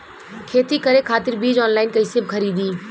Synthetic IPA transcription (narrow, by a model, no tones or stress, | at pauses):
kʰeːt̪ikəɾekʰaːt̪ɪɾbiːd͡ʒɔːnlaːɪnkəɪsebkʰəɾiːd̪iː